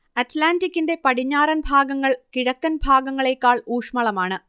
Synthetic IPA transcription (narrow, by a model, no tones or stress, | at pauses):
ɐtlaːndikʲːinde̞pɐɽiɲːaːɾɐnbʱaːɡɐŋːɐɭkiɻɐkːɐnbʱaːɡɐŋːɐɭe̞kːaːɭuːʂmɐɭɐmaːɳɨ